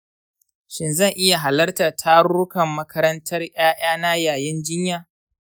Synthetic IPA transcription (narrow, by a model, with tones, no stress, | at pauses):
ʃɪ˦nzɐ˦˨ŋʔɪ˦ja˨ɦa˨lɐ˦rta˨tʰaː˦ɽʊ˦kɐ˨mːɐ˦kʰɐ˦ɾɐ˦ntʰɐ˦rj̰aː˦j̰aː˦na˦jaː˨jɪ˦nd͡ʒɪ˦ɲjaː˨